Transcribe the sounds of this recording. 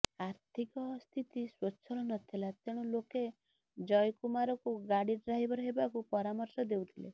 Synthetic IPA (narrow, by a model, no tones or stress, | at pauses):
aɾt̪ʰikɔst̪ʰit̪iswɔːʃʰɔlɔnɔt̪ʰilat̪eɽ̃ɔloke | d͡ʒɔjkumaɾɔkuɡaɽiɾɾaɦibɔɾɔɦebakupɔɾamɔɾsɔd̪ewt̪ʰilḛ